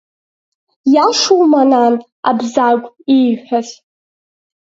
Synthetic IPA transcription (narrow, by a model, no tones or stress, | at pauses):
jaʂulmanan | a̰bzaɡʷ | ijħʷᶣaz